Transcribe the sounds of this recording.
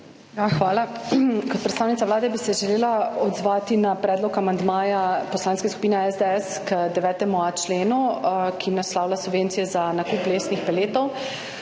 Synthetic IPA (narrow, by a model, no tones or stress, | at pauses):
jaxʋaːlakɔt̪pɾɛt̪staːwnit̪saʋlaːd̪ɛbisɛʒɛleːlaɔd̪zʋaːt̪inapɾɛːd̪lɔkamand̪maːjapɔslaːnskesku̥piːnɛɛzd̪ɛɛskd̪ɛʋɛːt̪ɛmuat͡ʃleːnukʰinaslaːwlasubʋeːntsijɛzanakuːpleːsnixpɛleːt̪ɔw